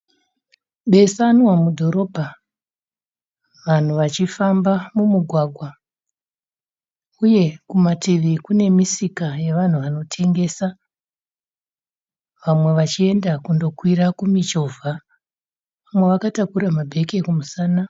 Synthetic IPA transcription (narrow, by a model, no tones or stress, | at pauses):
ɓe̞sanwamudʱo̞ɾo̞bʱa | ʋan̤uʋat͡ʃifambamumuɡʱwaɡʱwa | uje̞kumatiʋikune̞misikaje̞ʋan̤uʋano̞tʰe̞ŋɡe̞sa | ʋamwe̞ʋat͡ʃie̞ndakundo̞kwiɾakumit͡ʃo̞vʱa | ʋamwe̞ʋakatakuɾamabʱe̞ke̞kumusaːna